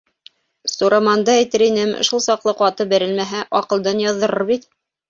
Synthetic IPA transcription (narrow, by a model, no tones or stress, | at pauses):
suɾɑmɑnd̪ɑæjt̪ɘɾinɘm̰ʃulˠsɑqlˠɤqɑt̪ɤbæ̆ɾɘ̆lmæɦæʔɒqɤ̆lˠd̪ɑnjɑðːɤ̆ɾɤɾbit̪